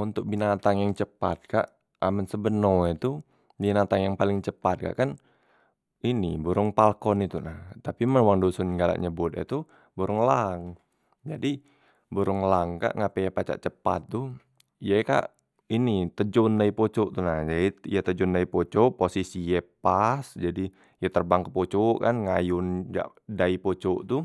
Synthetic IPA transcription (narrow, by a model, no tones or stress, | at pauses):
unt̪ʊk̚binat̪aŋjaŋt͡ʃəpat̪̚ka̰ʔ | amənsəbənɔɛt̪u | binat̪aŋjaŋpalɪŋt͡ʃəpat̪̚ka̰ʔkan | inibuɾʊŋpalkɔnit̪unaht̪apiməwaŋdosʊnɡala̰ʔɲəbʊt̪̚ɛ̰t̪u | buɾʊŋlaŋ | d͡ʒadi | buɾʊŋlaŋka̰ʔŋapejapat͡ʃa̰ʔt͡ʃəpa̰t̪ːu | jaka̰ʔ | init̪əd͡ʒʊndaipot͡ʃɔʔt̪unahd͡ʒaiijat̪əd͡ʒʊndaipot͡ʃoʔposisijɛpasd͡ʒadi | jat̪ərbaŋkəpot͡ʃoʔkanŋajʊnd͡ʒa̰ʔ | daipot͡ʃoʔt̪u